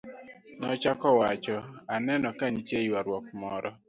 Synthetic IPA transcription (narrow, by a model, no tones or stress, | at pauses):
nɔt͡ʃakɔwat͡ʃɔanɛnɔkaɲt͡ʃeiwaɾwɔkmɔɾʔɔ